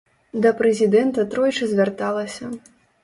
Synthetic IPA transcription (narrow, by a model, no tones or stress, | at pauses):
d̪ɐpɾɛzʲid̪ɛnt̪ɐt̪ɾɔjt͡ʂɨzʲvʲart̪alˠɐsʲɐ